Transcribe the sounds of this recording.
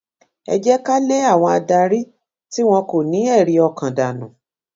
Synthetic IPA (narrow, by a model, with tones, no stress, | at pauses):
ɛ̰˧d͡ʒɛ˦ka˦le˦a˦˨w̃ɔ̃˧a˧da˧ɾi˦ | ti˦w̃ɔ̃˧ko˦˨nĩ˨˦ɛ˦˨ɾi˧ɔ˧kã˨da˨nũ˨